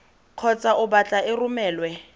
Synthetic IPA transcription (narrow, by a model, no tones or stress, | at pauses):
kʰɔt͡sʼaʔʊbat͡ɬʼaɪrʊmɛːlwɛ